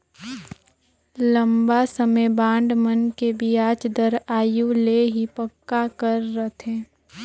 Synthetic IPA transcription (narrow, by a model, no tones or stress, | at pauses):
lə̃mbasəmebãːɳɖmənkebʱiaːt͡ʃd̪əɾaːjuleɦipəkːakəɾːət̪ɦẽː